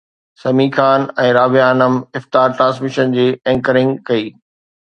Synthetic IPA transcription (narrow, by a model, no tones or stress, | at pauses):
sɐmiːxʰaːnɛ̃ːɾaːʋijaːnəmɪft̪aːɾʈɾãːnsmɪʃənd͡ʑeːɛ̃ːŋkəɾɪ̃ŋɡkɐiː